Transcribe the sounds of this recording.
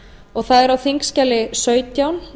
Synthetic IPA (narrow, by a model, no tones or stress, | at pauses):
ɔɣθaðɛɾawθiŋkscalɪsœːɥt̪jawn